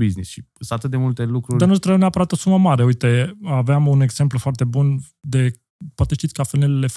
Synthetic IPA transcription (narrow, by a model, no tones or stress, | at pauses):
biznisʃisat̪ɨt̪̚d̪emult̪elukɾuɾʲanust̪ɾəjmneapəɾat̪o̞suməmaɾe̞ujt̪eaveamune̞ɡz̥e̞mplfoart̪e̞bun | d̪e̞ | poat̪eʃt̪it̪ʲkəafelnelelef